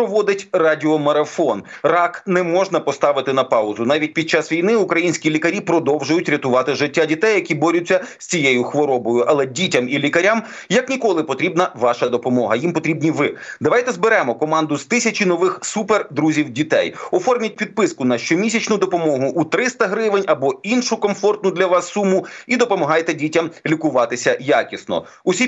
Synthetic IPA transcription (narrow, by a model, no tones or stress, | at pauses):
pɔʋɔd̪ɪtʲrɑdʲiɔmɐɾɐfɔnrɑknɛmɔʒnɐpɔst̪ɑʋɪt̪ɪnɐpɑʊzʊnɑʋʲit̚ʲpʲid̪̚t͡ʃɑsʋʲijnɪʊkɾɐjinʲsʲkʲilʲikɐɾʲipɾɔd̪ɔwʒʊjʊtʲɾʲɐt̪ʊʋɑt̪ɪʒɪtʲːadʲit̪ɛjːɐkʲibɔɾʲʊt͡sʲːɐsʲt͡sʲijejʊxʋɔɾɔbɔjʊʔɐlˠɛdʲitʲɐmilʲikɐɾʲam | jɐknʲikɔlˠɪpɔt̪ɾʲibnɐʋɑʃɐd̪ɔpɔmɔɦɐjimpɔt̪ɾʲibnʲiʋɪd̪ɐʋɑjt̪ɛzbɪɾɛmɔkɔmɑnd̪ʊzt̪ɪsʲɐt͡ʃinɔʋɪxsuperd̪ɾuzʲiwdʲit̪ɛjɔfɔrmʲɐt̚ʲpʲid̪̚pɪskʊnɐʃt͡ʃɔmʲisʲɐt͡ʃnʊd̪ɔpɔmɔɦʊʔut̪ɾɪst̪ɐɦɾɪʋɪnʲɐbɔinʃʊkɔmfɔrt̪̚nʊd̪lʲɐʋɑsːumʊid̪ɔpɔmɔɦɑjt̪ɛdʲitʲɐmlʲikʊʋɑt̪ɪsʲɐjakʲisnɔ̰ | ʊsʲi